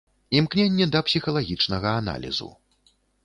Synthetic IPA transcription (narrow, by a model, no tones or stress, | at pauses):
imknʲenʲːɛd̪ɐpsʲixɐlˠaɣʲit͡ʂnɐɣɐana̰lʲḭzṵ